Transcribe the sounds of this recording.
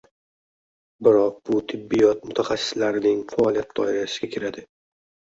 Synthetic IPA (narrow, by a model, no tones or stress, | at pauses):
bɪɾɒq̚bʊt̪ʰɪbːijɒt̪̚mʊt̪ʰaχasːɪ̥slaɾɪnɪŋfaːlˠijat̪̚d̪̥ɒɪɾaʃɪɡʲakʲʰɪɾad̪ɪ